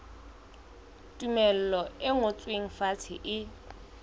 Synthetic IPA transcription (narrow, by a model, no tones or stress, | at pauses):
tʼumɛl̩lɔɪŋʊt͡sʼweŋ̩fat͡sʰɪ̰ʔɪ